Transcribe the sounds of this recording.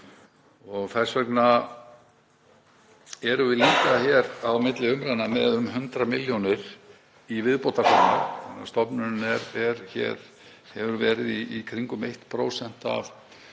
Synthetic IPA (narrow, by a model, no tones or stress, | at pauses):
ɔɣθɛsvɛkna | ɛɾʏvɪliːkaçɛɾawmɪt̪lɪʏmɾanamɛðʏmhʏnt̪ɾamɪljonɪɾ̥ | ivɪðpowt̪aɾfana̰ɾast̪ɔpnʏnɛɾɛɾçɛ̰ɾ̥ | hɛvʏɾvɛːɾɪðiːkʰɾiŋkʏmejht̪pʰɾowsɛn̥t̪a̰v